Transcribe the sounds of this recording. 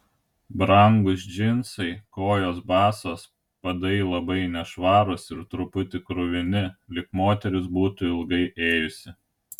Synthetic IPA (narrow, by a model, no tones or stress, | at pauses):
bɾɐŋɡʊs̬d͡ʒʲɪnsɐɪkoːjoːsbɑːsoːs | pɐd̪ɐilˠɐbɐɪnʲɛʃʋɑːɾʊsɪɾt̪ɾʊpʊt̪ʲɪkɾʊʋʲɪnʲɪlʲɪkmoːt̪ʲɛɾʲʊs̬buːt̪ʊɪlˠɡɐɪʔeːjʊsʲɪ